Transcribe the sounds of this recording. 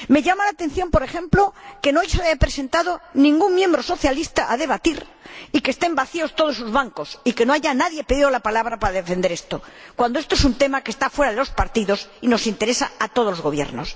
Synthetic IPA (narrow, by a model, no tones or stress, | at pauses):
me̞ʎamalat̪e̞n̟θjo̞mpo̞ɾe̞χe̞mploke̞nojsaβajapɾese̞nt̪aðonĩŋɡuŋmjẽ̞mbɾo̞so̞θjalist̪aʔaðe̞β̞at̪iɾikest̪embaθio̞st̪o̞ð̞osːuzβaŋko̞sike̞no̞aʝanaðje̞peðiðolapalaβ̞ɾapaɾaðe̞fe̞nd̪e̞ɾest̪o̞kwand̪oest̪oes̬unt̪e̞makest̪afwe̞ɾaðelo̞spaɾt̪iðo̞sino̞sint̪e̞ɾe̞sa̰at̪o̞ð̞olozɣo̞βjḛɾno̰s